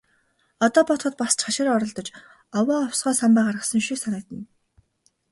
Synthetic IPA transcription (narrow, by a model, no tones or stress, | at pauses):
ɔt̪ɔːpɔt̪χɞ̆t̪̚past͡ɕχaʃɪ̆rɔɾɞ̆ɮt̪ɞ̆t͡ɕ | ɔwɔːwsɢœːsampaːɢarʁə̆sə̆ŋʃuːsanə̆k̚t̪ə̆n